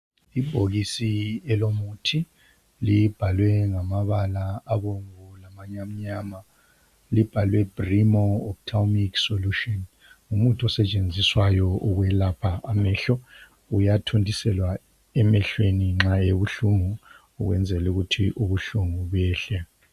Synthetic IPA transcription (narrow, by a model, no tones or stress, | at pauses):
ib̥ʱoɣisiɛlomutʰi | lib̥ʱalwɛŋamaβalaːβoŋulamaɲam̩ɲaːma | lib̥ʱalwɛb̥rimɔːp̚tʰawmiksoluʃɔn | umutʰɔsɛt͡ʃʼend͡zʱiswajɔʔuɣwɛlapʰaʔamɛɬɔ | ujatʰondʱisɛlwa | ɛmɛɬweniŋ͡ǁaeβuɬuŋuː | ɣwɛnd͡zʱɛluɣutʰiʔuβuɬuŋuβɛːɬɛ